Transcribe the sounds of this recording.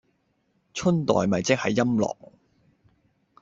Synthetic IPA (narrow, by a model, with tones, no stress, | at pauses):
t͡ʃʰɵ˥nt̪ɔ̰ː˨jmɐ˨jt͡sɪ˥k̚hɐ˨jːɐ˥mlɔ̰ː˨˩k̚